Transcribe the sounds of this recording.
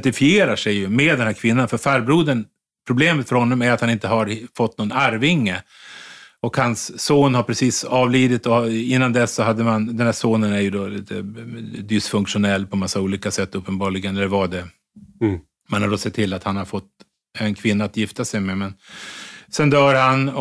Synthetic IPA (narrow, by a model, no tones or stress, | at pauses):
t̪ɪfɪeːɾaʂɛjɵmeːd̪ɛnhæːɾkʰvɪnːanfœɾfæɾbɾuːd̪ən | pʰɾʊbleːmət̪fœɾhɔnːɔmæɾat̪hanɪnt̪əhaɾfɔt̪ːnɔnaɾvɪŋːə | ɔkhansːoːnhaɾpʰɾɛsiːsɑːvliːd̪ɪt̪ɔɪnːand̪ɛsːɔɦad̪ːəmand̪ɛnh̪æːʂoːnənæɾjɵd̪olḭːt̪ʰə̰d̪ɪsfɵŋkʂʊnɛlːpʰɔmasːauːliːkasɛt̪ːɵpːənbɑːɭɪɡənɛlːəɾvaɖɛ | manhaɖɔsɛt̪ʰːɪlːat̪hanhaɾfɔt̪ː | ɛnkʰvɪnːaːt̪jɪft̪asɛjmɛmɛn | sɛnd̪œːɾhan